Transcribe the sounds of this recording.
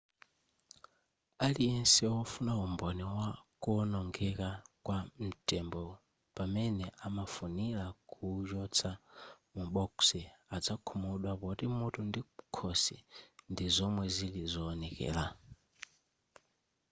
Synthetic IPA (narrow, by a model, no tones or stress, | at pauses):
aliɛnsɛɔfunaumbɔniwakunɔŋɡɛkakwam̩tʼɛmbɔ | pamɛnɛʔamafunilakʰud͡ʒɔt͡sʰa | muɓɔksiad͡zakʰumuɗwapɔtimutʰundikʰɔsḭndizɔmwɛzilizɔːnɛkɛ̰ːla